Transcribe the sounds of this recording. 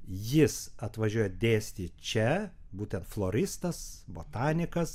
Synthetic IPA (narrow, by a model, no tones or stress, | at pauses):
jɪsɐt̪ʋɐʒʲuɔjɛd̪ʲeːsʲt̪ʲiːt͡ʃʲɛ | buːt̪ʲɛnt̪flˠoːɾʲɪst̪ɐsboːt̪ɑːnʲɪkɐs